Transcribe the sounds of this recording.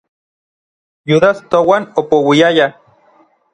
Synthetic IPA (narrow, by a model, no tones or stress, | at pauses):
juðast̪owanopowiaja